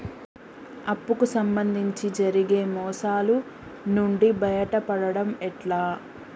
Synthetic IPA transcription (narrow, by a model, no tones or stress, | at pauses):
ɐpːukusɐmbɐnd̪ʱiɲt͡ʃid͡ʒɐɾiɡeːmɔːsaːlu | nuɳɖibɐjɐʈɐpɐɽɐɽɐmɛʈlaː